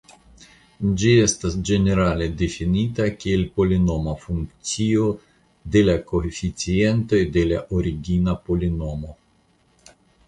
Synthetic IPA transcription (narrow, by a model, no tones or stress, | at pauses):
d͡ʒiest̪asd͡ʒeneɾaled̪efinʲit̪akʲielpo̞linomafuŋkt̪sio | d̪elakoefit͡sient̪o̞jd̪ela̰ʔoɾiɡʲinapolino̞mo